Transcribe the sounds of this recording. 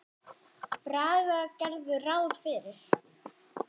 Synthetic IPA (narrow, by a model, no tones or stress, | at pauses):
pɾaːɣacɛɾðʏraːwɾ̥fɪːɾɪɾ̥